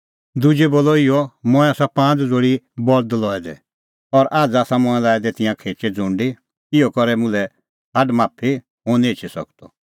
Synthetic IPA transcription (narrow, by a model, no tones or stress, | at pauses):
d̪ud͡ʒɛboːlɔɪjɔmɔ̃ɛ̃aːsapãːt͡sd͡zoːɽibɔɾd̪lɔɛd̪ɛ̰ | ɔɾʔaːd͡zaːsãmɔ̃ɛ̃laːɛd̪ɛt̪ɪ̃jãkʰeːt͡ʃɛd͡zʊ̃ɳɖi | ɪɔkɔɾɛmʊ̃lɛ | haɖmaːpʰi | ɦõːnĩeːt͡ʃʰisɔ̰kt̪ɔ